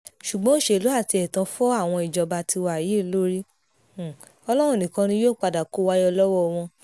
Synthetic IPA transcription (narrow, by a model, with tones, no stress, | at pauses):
ʃu˨ɡ͡bɔ̃˦ʃe˧˦˨lu˨˦a˦˨ti˧ɛ˨tã˧˦fɔ˦a˦˨w̃ɔ̃˧i˨d͡ʒɔ˨ba˧ti˧wa˨ji˨˦lo˦ɾi˦˨ | ɔ˧lɔ˦ɾ̃ũ˦˨nĩ˨kã˧nĩ˧˦joː˦˨k͡pa˧da˨ko˦wa˦jɔ˧lɔ˦wɔ˦˧w̃ɔ̃˧